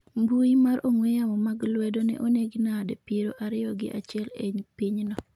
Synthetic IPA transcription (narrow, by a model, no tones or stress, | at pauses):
mbuimaɾʔoŋwejamɔmaɡlwɛdonɛ̰ʔoneɡinadɛpiɾoʔaɾɪɔɡɪ̰ʔat͡ʃɪɛleɲpiɲnɔ